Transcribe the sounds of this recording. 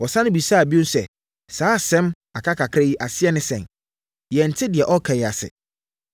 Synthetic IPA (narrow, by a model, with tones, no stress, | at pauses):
wɔ˨sã˦nʊ̃˦bi˨sa˦˨bi˦ʊ̃˦n˦sɛ̰˨ | saː˦˨sɛ̃˦m | a˨kʰa˦kʰa˨kʰɾe˦ji˦ʔa˨sɪ˦ɛ˦nɪ̃˦sɛ̰̃˨n | jɛ˨n̩˨tʰɪ˦dɪ˨ɛ˨ʔɔ˦kʰã˨jɛ˨a˨sɪ̰˨